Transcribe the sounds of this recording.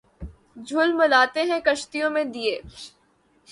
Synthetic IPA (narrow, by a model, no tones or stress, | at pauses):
d͡ʒʱʊlmɐlaːt̪eɦɛ̃kɐʃt̪ijõmẽd̪ieː